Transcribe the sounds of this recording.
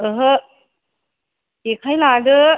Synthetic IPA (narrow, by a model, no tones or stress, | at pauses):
əɦə | ekʰajlaɡə